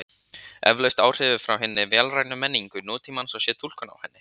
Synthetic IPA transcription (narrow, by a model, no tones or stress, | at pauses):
ɛ̰vlœɥst̪aːwr̥ɪːvʏfɾawɦɪnːɪvɛːlraːjnʏmɛnːiŋkʏnɔːt̪imansawsjɛːt̪ʰul̥kʏna̰whɛnːɪ